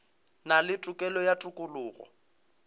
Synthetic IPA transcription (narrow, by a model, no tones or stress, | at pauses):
nalɪtʼʊkʼɛlɔjatʼʊkʼʊlʊːɣɔ̰